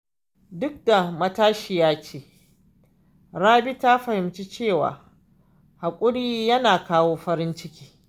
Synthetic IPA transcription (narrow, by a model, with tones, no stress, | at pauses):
dʊ˦k̚da˨mɐ˦taː˦ʃi˨jaː˦t͡ʃeː˦ | ɾaː˦bi˦ta˦ɸɐ˨hɪ˨mt͡ʃi˦t͡ʃeː˦˨wa̰ː˨ | ha˨kʷʼʊ˦ɽiː˦jɐ˦naː˨kaː˦woː˦ɸɐ˦ɾɪ˦nt͡ʃɪ˦kʲi̥ː˦